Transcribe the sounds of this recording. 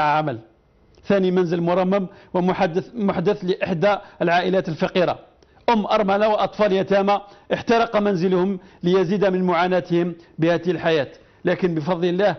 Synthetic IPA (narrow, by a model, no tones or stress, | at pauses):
ʕaməl | θænimænzəlmʊɾˤɑmːəmwəmʊħd̪əθləʔəħd̪aəlʕaʔəlæt̪əlfɑqiɾa̰ | ʔʊmːʔɑɾˤmælawəʔɑt̪ˤfɑljæt̪æmaʔəħt̪ɑɾəqɑmænzəlhʊmləjæzid̪amənmʊʕanæt̪əhəmbəhæd̪əhəlħajæt̪ | lækənbəfɑd̪ˤləlːæh